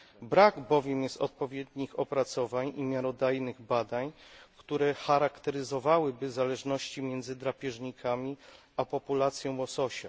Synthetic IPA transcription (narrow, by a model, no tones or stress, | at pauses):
bɾaɡbɔvʲjɛmjɛst̪ɔt̪̚pɔvʲjɛd̪ɲixɔpɾat̪sɔvaɲimʲjaɾɔd̪ajnɘɣbad̪aɲkt̪uɾɛxaɾakt̪ɛɾɘzɔvawɘbɘzalɛʐnɔɕt͡ɕimʲjɛnd̪zɘd̪ɾapʲjɛʐɲikʰamʲi | apɔpulat̪sʲjɔ̃w̃wɔsɔɕa